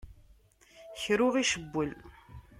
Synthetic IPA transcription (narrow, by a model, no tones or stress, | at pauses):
çɾʊʁiʃəbːəl